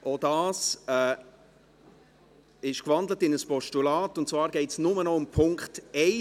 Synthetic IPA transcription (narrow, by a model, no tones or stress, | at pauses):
ʔodɑːsɛ | ɪʃkvɑndlətɪnəspɔʃtulaːtʊntt͡svɑːɾɡɛɪtsnʊmənɔʊmpʰʊŋktɛɪ